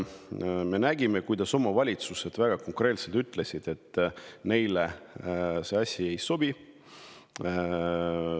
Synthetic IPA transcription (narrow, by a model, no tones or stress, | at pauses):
me̞næɡime̞kujd̪̥ɑso̞mɑvɑlʲit̪suse̞d̪̥væɡ̥ɑko̞ŋkre̞lt̪se̞lt̪yt̪ːˑle̞sʲid̪̥e̞t̪ːˑne̞jle | se̞ɑsʲie̞jso̞bi